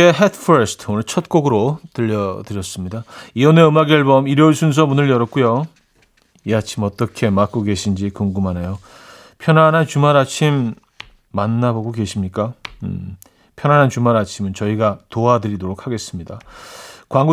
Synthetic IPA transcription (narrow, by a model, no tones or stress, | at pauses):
eɦetʰpʰʌɾsʰtʰonɯɭt͡ɕʰʌt̚k͈oɡɯɾotɯʎːʌdɯɾjʌs͈ɯmɲidaione̞ɯmaɡʌɭbʌmiɾjʌuɭsʰuns̬ʰʌmunɯɭjʌɾʌk͈ujo | jeat͡ɕʰimʌt͈ʌkʰe̞mak͈oɡe̞ɕʰind͡ʑikoŋɡumanejo | pʰjʌnanɦant͡ɕumaɾat͡ɕʰimː | anːaboɡoke̞ɕʰimɲik͈a | pʰjʌnɦanɦant͡ɕumaɾat͡ɕʰimɯnt͡ɕʌiɡatoadɯɾidoɾokʰhaɡe̞s͈ɯmɲidakwaŋɡu